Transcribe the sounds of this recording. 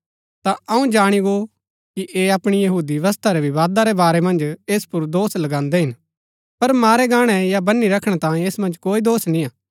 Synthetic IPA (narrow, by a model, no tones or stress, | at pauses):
t̪aɐũd͡ʒaːɽ̃iɡo | kiʔeɐpɽ̃ijɐɦuːd̪iʋəs̬t̪ʰaɾɛʋɪʋaːd̪aɾɛbaːɾɛmɐ̃nd͡ʒeːspʊɾd̪oːslɐɡãːnd̪ɛɦɪn | pɐɾmaːɾɛɡaːɽ̃ɛjabɐnːiɾɐkʰɽ̃ɛt̪ãːẽeːsmɐ̃nd͡ʒkoːid̪oːsnĩaː